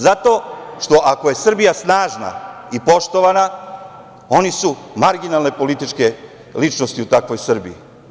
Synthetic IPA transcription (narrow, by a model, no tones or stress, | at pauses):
zat̪o̞ːʃt̪o̞ʔako̞je̞sr̩bijasnaːʒna̰ipo̞ʃt̪o̞ʋana | o̞nisu | maɾɡinalˠne̞po̞lit̪it͡ʃke̞ | lit͡ʃno̞st̪iut̪akʋo̞jsr̩biḭ